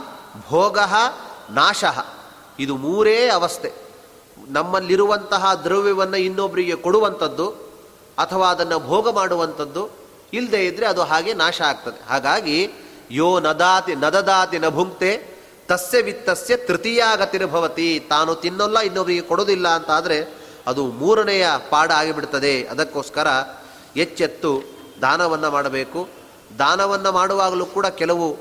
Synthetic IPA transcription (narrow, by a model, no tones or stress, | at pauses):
bʱɔːɡɐɦɐnaːʂɐɦɐ̰ | id̪umuːɾeːɐʋɐst̪ʰe | nɐmːɐlːiɾuʋɐnt̪ɐɦɐd̪ɾɐʋjɛʋɐnːuinːobːɾiɡe̞koɽuʋɐnt̪ɐd̪ːu | ɐt̪ʰɐʋaːɐd̪ɐnːɐbʱɔːɡɐmaːɽuʋɐnt̪ʰɐd̪ːu | ild̪eːid̪ɾeɐd̪uɦaːɡe̞naːʃɐaːɡ̚t̪ɐd̪eɦaːɡaːɡi | joːnɐd̪aːt̪inɐd̪ɐd̪aːt̪inɐbʱuŋkt̪eː | t̪ɐsjɐʋit̪ːɐsjɐt̪ɾit̪ijaːɡɐt̪iɾɐbʱɐʋɐt̪it̪aːnut̪inːɔlːɐinːoʋɐɾiɡekɔɽoːd̪ilːɐːnt̪aːd̪ɐɾe̞ | ɐd̪umuːɾɐnɛjɐpaːɽaːɡibiɽt̪ɐd̪e̞ɐ̰d̪ɐkːoːskɐɾɐ | et͡ʃːet̪ːu | d̪ʱaːnɐʋɐnːɐmaːɽɐbeːku | d̪ʱaːnɐʋɐnːɐmaːɽuʋaːɡɐluːkuːɽɐkɛlɐʋu